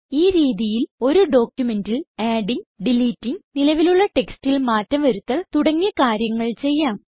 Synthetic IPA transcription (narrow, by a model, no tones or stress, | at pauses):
iːɾiːðijilo̞ɾuɖo̞ːkʲjume̞ndilaːɖiŋɡɖiliːtːiŋnilɐʋiluɭːɐʈe̞kstilmaːtːɐmʋɐɾut̪ːɐɭt̪uɽɐŋːijɐkaːɾjɐŋːɐɭt͡ɕe̞jːaːm